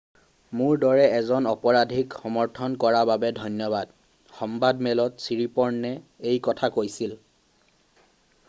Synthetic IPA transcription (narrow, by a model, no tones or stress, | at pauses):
mʊɹdɔɹɛɛzɔnɔpɔɹadʱikxɔmɔɹtʰɔnkɔɹababɛdʱɔjnjɔbad | xɔmbadmɛlɔtsiɹipɔɹnːɛejkɔtʰakojsil